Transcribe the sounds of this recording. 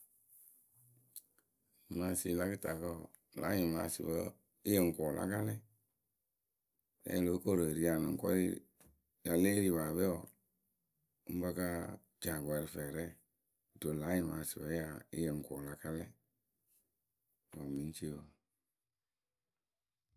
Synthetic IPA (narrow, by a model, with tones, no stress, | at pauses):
ma˨si˨la˦kɨ˦ta˨kə˦˨ | la̰˨˦ji˨ma̰˨sḭ˨wə˦ | i˦jə˨ŋ̩˨kɔː˨lʔa̰˦ka˦lɛ˦˨ | ɾɛ̰˦˨lo˨˦ko˦˨ɾə˨ɾi˨˦a˨nɨ̰̃˨ŋ˨kɔ̰˦ḭ˦ | ja˨leː˦ɾi˨βa˨bɛ˦ɔ˨ | u˦m˦bə˧ka˦ | d͡ʒa˨ɡɛ˨ɾi˧fɛː˨ɾɛ˦˨ | do˨la˨˦jĩ˨ma˨si˨wə˦ja˨ḭ˦jə˨ŋ̩˨kɔ˨la˦ka˦lɛ˦˨ | wa˨mĩ˨n˦t͡ʃe˦wə˨